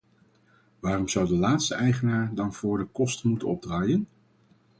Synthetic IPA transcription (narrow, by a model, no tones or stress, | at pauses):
ʋaːrɔmz̥ʌwdəlaːtstəʔɛjχənaːɹdɑnv̥ʊːɹdəkɔstənmutənɔb̚draːjən